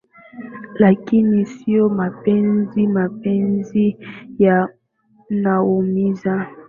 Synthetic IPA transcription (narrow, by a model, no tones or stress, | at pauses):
lakinisiomapɛnzimapenzija | naomiza